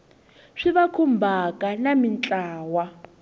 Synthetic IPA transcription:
ʂiβakʰumbʱakʼanamint͡ɬʼaːwa

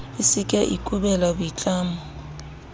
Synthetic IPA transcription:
ɪsɪkʼɛʔḭkʼubɛlabʊit͡ɬʼaːmʊ

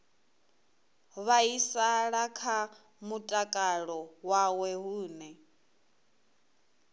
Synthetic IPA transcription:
βaisaɺakʰa | mutʼakʼaɺɔwawɛɦuːnɛ

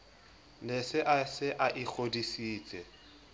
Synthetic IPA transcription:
lesɪʔasɪʔaʔɪk͡xʰodisiːt͡sʼɛ

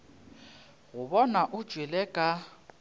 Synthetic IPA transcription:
ɣʊβɔnaʔʊd̥ʒ̥ʱwilɛkʼa

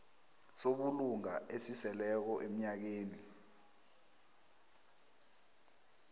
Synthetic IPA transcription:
soɓuluŋaesisɛlɛk̬ɔʔem̩ɲak̬eːni

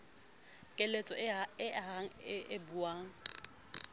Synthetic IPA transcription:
kʼelet͡sʼɔɪɦaŋ̩ɪɪbuaːŋ̩

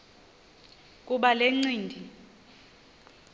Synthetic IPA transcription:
kʼuɓaleŋ͡ǀiːndʱi

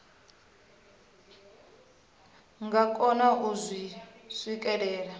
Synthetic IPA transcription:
ŋɡakʼɔnaʔuzʷiswikʼɛɺɛːɺa

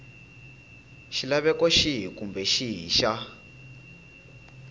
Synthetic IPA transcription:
ʃilaβɛkɔʃiɦikumbɛʃiɦiʃa

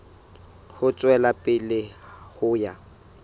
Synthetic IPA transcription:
hʊt͡sʼwɛlapʼɪlɪhʊːja

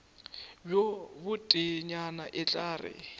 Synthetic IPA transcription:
bjobʊtʼɪɲanaʔɪt͡ɬʼaːrɪ̰

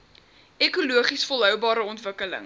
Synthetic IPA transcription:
ekuluəχisfɔlˠɦœwbɑːɾəɔntvəkələ̰ŋ

